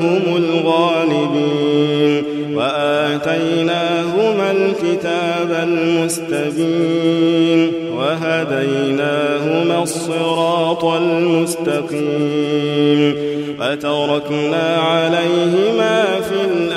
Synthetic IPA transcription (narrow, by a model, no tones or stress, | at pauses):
ɦʊmʊlɣaːlɪbiːn | waʔaːt̪ajnaːɦʊmalkɪt̪aːbalmʊst̪abiːn | waɦad̪ajnaːɦʊmaːsˤːɨɾɑːt̪ˤalmʊst̪ɑqiː | n | ʔat̪ɑɾˤɑknaːʕalajɦɪmaːfiːlʔ